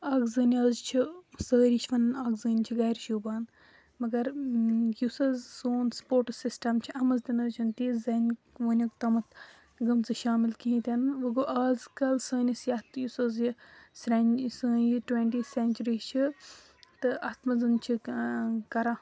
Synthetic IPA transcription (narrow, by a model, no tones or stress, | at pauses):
aːɡzɨːnʲaːzt͡ʃʰisəːɾit͡ʃʰʋɐnnaːɡzəːnʲt͡ʃʰiɡɐjɾʃuːbaːn | mɐɡɐɾjusɐzsoːnspoːɾʈsisʈɐmt͡ʃʰiɐmɐzd̪inɐzt͡ʃʰunt̪izɐn | ʋəːnʲɐkt̪ɐmɐt̪ | ɡɐmt͡sɨʃaːmilkiĩt̪ʲɐnɨʋɨɡoʔaːzkɐlsəːnʲisjɐt̪ʰjusɐzjisɾɐnsəːnjiʈwenʈiːsenʲt͡ʃuɾiːt͡ʃʰi | t̪ɨʔɐt̪ʰmɐzɨnt͡ʃʰi | kɐɾaː